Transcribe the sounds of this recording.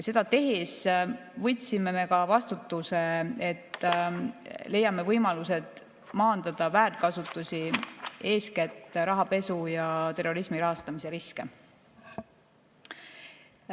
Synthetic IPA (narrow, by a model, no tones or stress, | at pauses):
se̞d̪̥ɑt̪e̞ɦis | vɤjt̪ʲsimeme̞kɑvɑst̪ut̪ːuse̞e̞t̪ː | le̞jːɑme̞vɤjmɑluse̞d̪̥ | mɑːnd̪̥ɑd̪̥ɑvæːrt̪̚kɑsut̪ːˑusie̞ːsket̪ːˑɾɑɦɑpe̞sujɑt̪e̞rːo̞ɾismiɾɑɦɑst̪ɑmiseɾiske